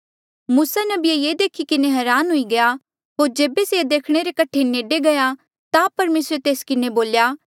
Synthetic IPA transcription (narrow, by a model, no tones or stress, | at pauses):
muːsanɐbɪejeːd̪eːkʰikɪneɦɛːɾaːnɦʊiɡɐja | ɦoːɾd͡ʒeːbesed̪eːkʰɽ̃eɾekɐʈʰeneːɖeɡɐja | t̪apɐɾmeːsɾet̪eːskɪneboːljaː